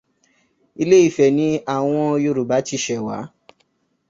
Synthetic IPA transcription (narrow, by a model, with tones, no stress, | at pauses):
i˧le˦i˦˨fɛ˨nĩ˧˦a˦˨w̃ɔ̃˧o˧jo˧ɾu˨ba˨˦ti˦˧ʃɛ˨wa̰˨˦